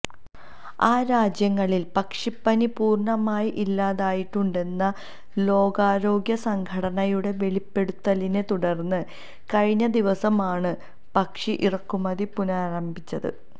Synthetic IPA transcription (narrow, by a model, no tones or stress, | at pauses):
aːɾaːd͡ʑjɐŋːɐɭilpɐkʂipːɐnipuːrɳɐmaːjiʔilːaːðaːjiʈːuɳɖe̞nːɐ | lo̞ːɡaːɾo̞ːɡjɐsɐŋkʰɐɽɐnɐjuɽe̞ʋe̞ɭipːe̞ɽut̪ːɐline̞t̪uɽɐrnːɨ | kɐɻiɲːɐd̪iʋɐsɐmaːɳɨ | pɐkʂiʔirɐkːumɐðipunaːɾɐmbʱit͡ɕːɐðɨ̰